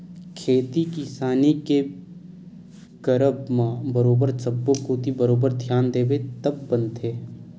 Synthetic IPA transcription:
kʰeːt̪ikɪsaːnike | kəɾəbmãbəɾoːbəɾsɐbːokoːd̪ibəɾoːbəɾd̪ʱjaːnd̪eːbet̪ɐbːə̃nt̪eː

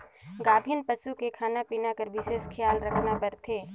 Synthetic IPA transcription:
ɡaːbʱɪnpɐsukekʰaːnapiːnakəɾʋɪʃeːʃkʰɪjaːlɾɐkʰnapɐɾt̪ʰeː

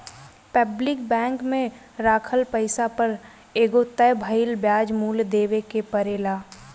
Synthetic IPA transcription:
pəblɪkbɛ̃ːŋkmẽ | ɾaːkʰəlpəɪsapəɾ | eːɡot̪əjbʱəɪlbjaːd͡ʒmuːld̪eːʋekepəɾeːlaː

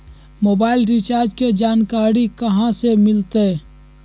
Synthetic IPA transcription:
moːbaːɪlɾɪt͡ʃaːɾd͡ʒked͡ʒaːnkaːɾikəɦãsemɪlt̪e

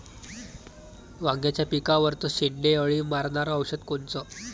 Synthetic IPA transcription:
ʋãŋɡjat͡ɕjapikaʋəɾt̪əɕiɳɖeəɭimaɾɳaɾəəwɕət̪kont͡sə

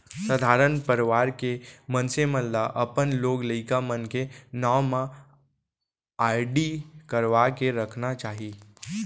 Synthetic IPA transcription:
səd̪ʱaːɾənpəɾʋaːɾkemənsemə̃nlaʔəpənloːɡləɪkamənkenawmã | aːɾɖikəɾʋakeɾəkʰnat͡ʃaːɦiː

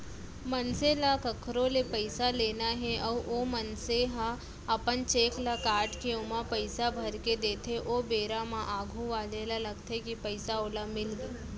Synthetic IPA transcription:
mənselakəkʰɾoːlepəɪsaleːnaɦɛʔɐːɾomənseɦa | əpənt͡ʃeːklakaːɾʈkeʊmãpəɪsabʱəɾked̪eːt̪ʰeʔobeːɾamãʔaːɡʱũʋaːlelalɐɡt̪ʰekipəɪsaoːlamɪlɡiː

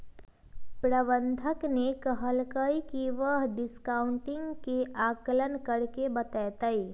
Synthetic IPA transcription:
pɾəbə̃nd̪ʱəknekəɦəlkəikiʋəɦɖɪskaːʊɳʈɪ̃ŋɡkeaːkələnkəɾkebət̪ɛt̪əi

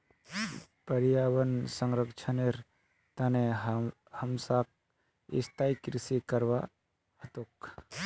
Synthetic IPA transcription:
pəɾjaːwənsəŋɾəkt͡ʃʰəneɾ | t̪ɐne | həmsak̚ | ɪ̰st̪ʰaikɾɪsikəɾʋa | ət̪ok

